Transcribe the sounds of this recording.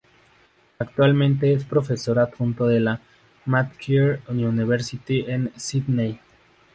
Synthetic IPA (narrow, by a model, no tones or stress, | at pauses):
akt̪walmẽ̞nt̪e̞espɾo̞fe̞so̞ɾapunt̪oðela | mat̪kʰiɾununiβeɾsit̪iʔensid̪nej